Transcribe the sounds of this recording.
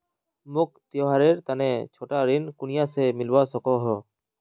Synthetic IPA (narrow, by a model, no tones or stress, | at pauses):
muk̚t̪ijɔɦaɾeɾt̪anɛt͡ʃʰɔʈaɾinkunijasɛmilbasɔkɔɦɔ